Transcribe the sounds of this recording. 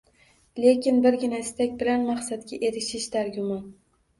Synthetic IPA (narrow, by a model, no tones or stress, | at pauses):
le̞kʲɪnbɪɾɡʲɪnaɪst̪akʲbɪlanmaqsat̪̚kʲaʔeɾɪʃɪʃd̪aɾɡʲʊmɑn